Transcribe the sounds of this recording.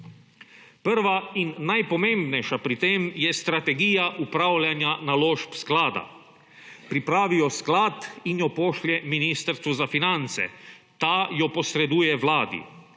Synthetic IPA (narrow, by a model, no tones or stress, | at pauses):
pəɾʋainːajpɔmẽmbnɛjʃapɾit̪emjɛst̪ɾat̪ɛɡiːjaʔupɾawlʲjanjanaloːʃpsklaːd̪a̰ | pɾipɾaːʋijɔsklaːt̪injɔpoːʃljɛminist̪əɾst̪ʋuzafinant̪sɛ̰ | t̪ajɔpɔsɾɛd̪uːjɛwlaːd̪ḭ